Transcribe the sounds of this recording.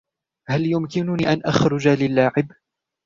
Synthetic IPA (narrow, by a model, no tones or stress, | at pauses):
haljʊmkɪnʊniːʔanʔaxɾʊd͡ʒalɪlːaːʕɪb